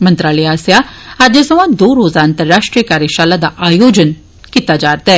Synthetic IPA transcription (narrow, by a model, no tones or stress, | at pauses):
mənt̪ɾaːliaːsjaad̪esɐʋãd̪oːɾoːzaːnt̪əɾːaːʂʈɾijəkaːɾjəʃaːlad̪aʔaːjoːd͡ʒən | kit̪ad͡ʒaːɾt̪ɛ